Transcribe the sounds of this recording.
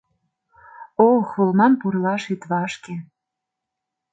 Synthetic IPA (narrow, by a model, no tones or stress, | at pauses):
oxulmɑmpurlɑʃit̪βɑʃke